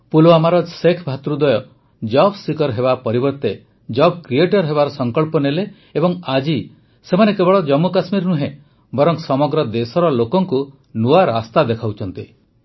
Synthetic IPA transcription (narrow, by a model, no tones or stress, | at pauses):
puloamaɾɔsekʰbʱat̪ɾud̪ɔjɔ | d͡ʒɔbsikɔɾɦebapɔɾibɔɾt̪e | d͡ʒɔb̚kɾieʈɔɾɦeβaɾɔsɔŋkɔɭpɔneleː | bɔŋad͡ʒi | semanekebɔɭɔd͡ʒɔmːukasmiɾnuɦẽ | bɔɾɔŋsɔmɔɡɾɔd̪esɔɾɔlokɔŋku | nuaɾast̪ad̪ekʰawt͡ʃʰɔnt̪i